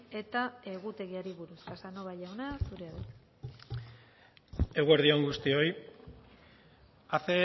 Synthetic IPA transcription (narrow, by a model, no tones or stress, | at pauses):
e̞t̪ae̞ɣ̞ut̪e̞ɣiaɾiβuɾuskasanoβaʎawnasuɾeaβet̪ | e̞ɣueɾðio̞ŋɡust̪io̞j | aθe